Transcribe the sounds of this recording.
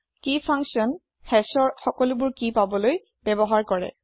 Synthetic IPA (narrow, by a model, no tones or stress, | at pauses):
kipʰaŋsiɔn | xɛsɔɹxɔkɔlʊbʊɹkipabɔloj | bɛbɔɦaɹkɔɹɛ̰